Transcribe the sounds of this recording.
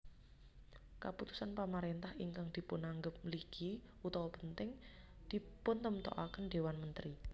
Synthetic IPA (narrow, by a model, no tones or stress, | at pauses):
kaput̪u̥sanpamaɾent̪ahiŋkaŋd̪̥i̤pʊnaŋɡəp̚liɡ̥i | ut̪ɔwɔpənt̪ɪŋ | d̪̥i̤pʊnt̪əmt̪ɔ̰ʔa̰kənɖ̪ewanmənt̪ɾi